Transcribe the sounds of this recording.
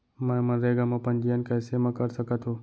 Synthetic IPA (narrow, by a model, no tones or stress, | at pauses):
mãmənɾeːɡamãpənd͡ʒijənkasemãkəɾsəkat̪ʰoː